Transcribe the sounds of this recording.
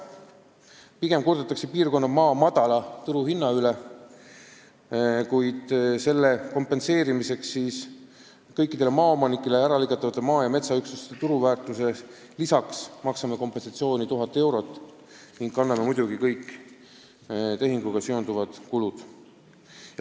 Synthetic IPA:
piɡ̥e̞mkord̪et̪ːˑɑkse̞piːrko̞nːɑmɑːmɑd̪̥ɑlɑt̪uɾuhinːɑyle | kujd̪̥se̞lːe̞ko̞mpːˑe̞nse̞ːɾimise̞ksːiːs | kɤjkːid̪̥e̞lemɑːo̞mɑnikːˑe̞leæɾɑlikɑt̪ːˑɑvɑt̪ːˑemɑːjɑme̞t̪sɑyksust̪et̪uɾuvæːrt̪ˑuse̞ | lisɑksmɑksɑmeko̞mpensɑt̪sio̞ːnʲit̪uɦɑt̪ːˑe̞wɾo̞t̪ːˑ | niŋɡ̥kɑnːɑmemujd̪̥uɡ̥ikɤjkˑː | t̪e̞ɦiŋɡ̥uɡ̥ɑsyo̞nd̪uvɑd̪̥kulud̪̥ | j

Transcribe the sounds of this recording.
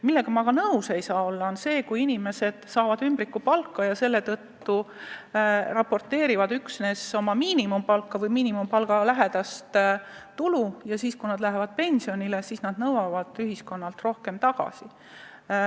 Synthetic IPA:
milːe̞ɡ̥ɑmɑkɑnɤwse̞jsɑːo̞lːɑo̞nse̞ːkujinʲime̞se̞d̪̥sɑːvɑd̪ymbɾikːupɑlkːɑjɑse̞lːe̞t̪ɤt̪ːu | rɑpo̞rt̪ːe̞ːɾivɑd̪yksne̞so̞mɑmiːnimumpɑlkːˑɑvɤjmiːnimumpɑlɡ̥ɑlæɦe̞d̪̥ɑst̪t̪ulujɑsiːskujnɑd̪̥læɦevɑd̪̥̚pe̞nʲsio̞nʲile̞siːsnɑd̪nɤwɑvɑd̪̥yɦisko̞nːɑlt̪ro̞hke̞mt̪ɑɡ̥ɑ̰si

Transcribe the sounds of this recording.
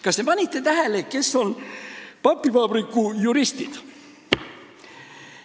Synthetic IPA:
kɑst̪e̞pɑnʲit̪ːˑe̞t̪æɦeleke̞sːo̞npɑpːˑivɑːbrikˑːujuɾist̪id̪̥

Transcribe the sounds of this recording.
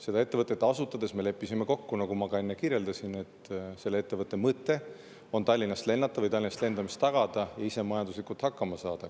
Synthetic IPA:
se̞d̪ɑe̞t̪ːevɤt̪ːˑet̪ːˑɑsut̪ːˑɑd̪̥e̞sme̞le̞pːisime̞ko̞kːunɑɡ̥umɑɡ̥ɑe̞nːekiɾje̞ld̪ɑsine̞t̪se̞lːee̞t̪ːe̞vɤt̪ˑːe̞mɤt̪ːˑe̞ | o̞nt̪ɑlʲːinɑst̪le̞nːɑt̪ːˑɑvɯjt̪ɑlʲːinɑst̪le̞nd̪ɑmist̪ːɑɡ̥ɑd̪̥ɑjɑise̞mɑjɑnd̪uslikult̪hɑkːɑmɑsɑːd̪̥ɑ

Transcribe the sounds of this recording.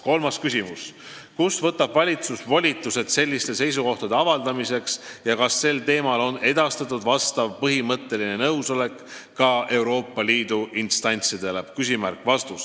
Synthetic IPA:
ko̞lmɑskysʲimus | kusvɤt̪ːˑɑb̥vɑlʲit̪susvolʲit̪ːˑuse̞d̪̥se̞lʲːist̪e̞se̞js̬uko̞ht̪ɑd̪e̞ɑvɑld̪ɑmise̞ksjɑkɑsːe̞lt̪e̞ːmɑlo̞ne̞d̪̥ɑst̪ɑt̪ːˑud̪̥vɑst̪ɑvpɤɦimɤt̪ːˑe̞line̞nɤwso̞le̞kː | ɑʔe̞wɾo̞ːpːˑɑliːd̪uʔinst̪ɑnʲt̪sid̪eleb̥kys̬ʲimærkvɑst̪us

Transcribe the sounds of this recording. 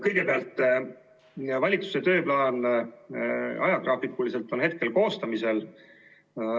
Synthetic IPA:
kɤjɡ̥e̞peɑlt̪ːˑ | vɑlʲit̪su̥set̪ø̞ːplɑːn | ɑ̰jɑt̪ɾɑːpikːˑulise̞lt̪ːˑo̞nɦe̞t̪̚ke̞lko̞ːst̪ɑmise̞l

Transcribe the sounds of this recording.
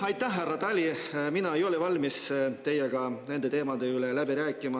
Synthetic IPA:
ɑjt̪ːˑæhɦærːɑt̪ɑlʲiminɑejo̞levɑlʲmist̪e̞jːeɡ̥ɑne̞nd̪e̞t̪e̞ːmɑd̪e̞ylelæbiɾæːkːˑimɑ

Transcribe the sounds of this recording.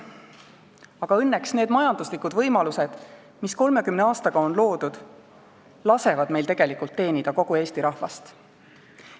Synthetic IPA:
ɑɡ̥ɑɤnːe̞ksne̞ːd̪mɑjɑnd̪uslikːud̪̥vɤ̞jmɑluse̞d̪̥ | misko̞lme̞kymneɑːst̪ɑɡ̥ɑo̞nlo̞ːd̪ud̪̥ | lɑse̞vɑd̪̥me̞jlt̪e̞ɡ̥e̞likult̪ːe̞ːnid̪̥ɑko̞ɡ̥ueːst̪iɾɑhvɑ̰st̪

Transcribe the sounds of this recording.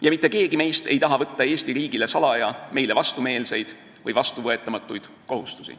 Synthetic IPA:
jɑmit̪ˑːe̞ke̞ːɡime̞jst̪e̞jt̪ɑɦɑvɤt̪ːɑe̞ːst̪iɾiːɡ̥ile̞sɑlɑjɑme̞jle̞vɑst̪ume̞ːlse̞jd̪̥ | vɯjvɑst̪uvɤe̞t̪ːˑɑmɑt̪ːˑujd̪̥ | ko̞ɦust̪u̥sḭ

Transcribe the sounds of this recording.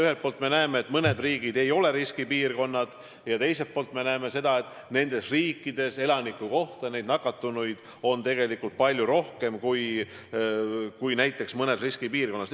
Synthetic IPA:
yhe̞lt̪̚poːlt̪me̞næemeːt̪ːˑmɤne̞d̪riːɡ̥id̪e̞jo̞le̞ɾiskipiːrko̞nːɑd̪̥ | jɑt̪e̞jse̞lt̪̚po̞ːlt̪me̞næeme̞se̞d̪ɑe̞t̪ːˑ | ne̞nd̪e̞sriːkːˑid̪e̞se̞lɑnikːuko̞ht̪ɑne̞jd̪nɑkːˑɑt̪ːunujd̪̥ | o̞nt̪e̞ɡe̞likːˑult̪̚pɑlʲjuɾo̞hke̞mkuj | kujnæjt̪ːˑe̞ksmɤne̞sriskipiːrko̞nːɑs

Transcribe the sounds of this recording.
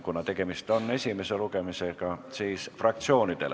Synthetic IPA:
kunɑt̪e̞ɡ̥e̞mist̪o̞nːe̞sʲime̞se̞luɡe̞misekɑsiːsfrɑk̚t̪sio̞ːnid̪̥e̞l

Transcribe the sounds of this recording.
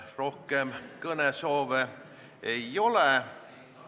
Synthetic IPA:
ro̞hkemkɤnesoːʋe | ejo̞le

